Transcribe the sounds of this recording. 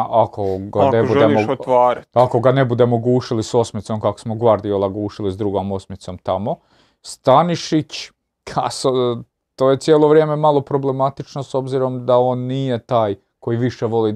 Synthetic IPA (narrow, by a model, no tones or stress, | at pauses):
ʔakoɡanebuemːoot̪ʋaːɾiako̞ɡane̞bud̪e̞mo̞ɡuːʃiliso̞smit̪so̞mkako̥smoɡʋaɾd̪iolaɡuːʃilizd̪ɾuɡo̞mo̞smit̪so̞mt̪amo̞ | st̪aniʃit͡ɕ | kʰa̰so | t̪oːje̞t̪sjeːlˠo̞ʋɾjeːme̞malˠo̞pɾo̞ble̞mat̪it͡ʃno̞so̞bziɾo̞md̪ao̞ːnːije̞t̪aːj | ko̞jiʋiʃe̞ʋo̞li